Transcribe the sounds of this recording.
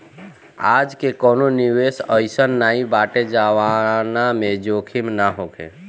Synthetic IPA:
ad͡ʒkekɔːnoniʋesəjsənːaĩbaʈed͡ʒaʋanamẽd͡ʒokʰimnaɦokʰḛ

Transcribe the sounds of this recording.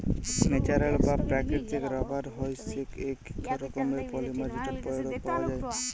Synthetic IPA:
met͡ʃaɾalbapɾakeʈtekɾɔbʱaɾɦɔjsekekɔɾɔkɔmɾepɔlimad͡ʒiʈeɾpɔjɽɔpawad͡ʒaj

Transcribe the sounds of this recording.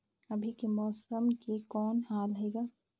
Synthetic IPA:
ɐbʱikemɔːsəmkekɔːnhaːlɦɛːɡaː

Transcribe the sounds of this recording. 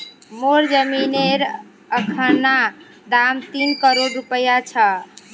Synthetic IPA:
moɾd͡ʒəmineɾ | əkʰənːa | d̪amt̪inkəɾoɖɾupəjat͡ʃʰə

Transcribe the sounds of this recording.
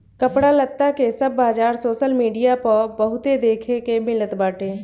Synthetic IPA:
kəpɽalət̪ːakesɐbːaːd͡ʒaːɾsoːʃəlmiːɖijapəɾbɐɦʊt̪ed̪eːkʰekemɪlət̪baːʈeː

